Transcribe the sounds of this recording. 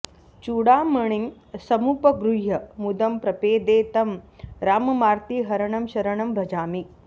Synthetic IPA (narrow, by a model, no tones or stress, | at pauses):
t͡ʃuːɽaːmɐɳ̃iŋ | sɐmupɐɡɾujɐmud̪ɐmpɾɐpeːd̪eːt̪ɐmɾaːmɐmaːɾt̪iːɦɐɾɐɳɐmʃɐɾɐɳɐmbʱɐd͡ʒaːmi